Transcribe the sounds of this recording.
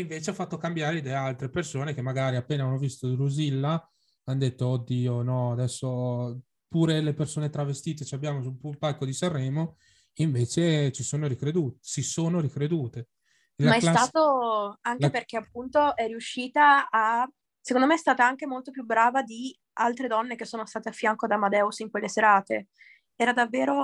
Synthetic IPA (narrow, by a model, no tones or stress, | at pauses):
iɱveːt͡ʃeafːat̪ːokambjaːɾed̪ealt̪ɾepersoːnek̟emːaɡaːɾiapːeːnaanːovist̪od̪luzilːa | and̪et̪ːoːd̪ːiːonɔad̪ɛsːo | puːɾelepersoːnet̪ɾavest̪iːt̪et͡ʃabːjaːmosulpulpalkːod̪isarːɛːmo | iɱveːt͡ʃet͡ʃisoːnoɾikɾed̪uːt̪sisoːnoɾikɾed̪uːt̪e | lamaɛlat̪aːt̪oaŋkeperk̟eapːunt̪oɛrːiuʃːiːt̪aː | sekõnd̪omeɛst̪aːt̪aaŋk̟emolt̪opjubɾaːvad̪i | alt̪ɾed̪ɔnːek̟esːoːnost̪aːt̪eafːjaŋkod̪amad̪ɛusiŋkwelːeseɾaːt̪e | ɛːɾad̪avːeːɾo